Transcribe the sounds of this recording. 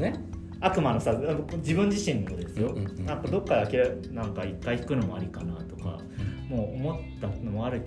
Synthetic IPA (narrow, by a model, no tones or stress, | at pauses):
ne | akɯ̟mano̞saaokod͡ʑibɯ̟̃ɲ̟d͡ʑiɕĩnːod̪e̞sɨjo̞ãk̪od̪o̞kːaeakʲiɾanãŋkaikːaiçi̥kɯ̟no̞mo̞a̰ɾʲikanat̪o̞ka̰ | mo̞ːomo̞t̪ːano̞mo̞aɾɯ̟k